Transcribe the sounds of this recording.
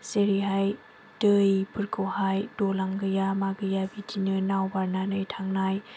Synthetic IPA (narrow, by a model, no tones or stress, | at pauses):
seɾiɦaj | tɯjpʰɯɾkʰɔhajdɔlaŋɡɯjamaɡɯjabitʰinɯnawbaɾnanɯjtʰaŋnaj